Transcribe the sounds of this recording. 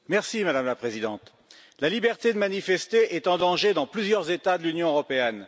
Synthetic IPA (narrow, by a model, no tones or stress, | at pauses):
mɛʁsimad̪amlapχezid̪ɑ̃t̪ | lalibɛʁt̪ed̪əmanifɛst̪eʔɛt̪ɑ̃d̪ɑ̃ʒed̪ɑ̃plyzjœʁzet̪ad̪əlynjɔ̃øʁɔpeɛn